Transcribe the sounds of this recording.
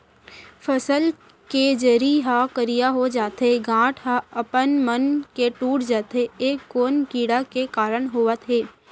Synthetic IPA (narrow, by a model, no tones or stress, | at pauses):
pʰəsəl | ked͡ʒəɾiɦakəɾijaɦod͡ʒaːt̪ɦeɡãːʈʰɦaəpənmənkeʈuːʈʰd͡ʒaːt̪ɦeeːkːoːnkiːɽakekaːɾəɳɦoːət̪ɦeː